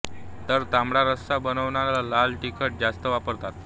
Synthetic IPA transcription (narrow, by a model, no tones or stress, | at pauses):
t̪əɾt̪amɽaɾəsabənəʋɳaɾalalalʈikʰəʈ̚d͡zast̪əʋapəɾt̪at̪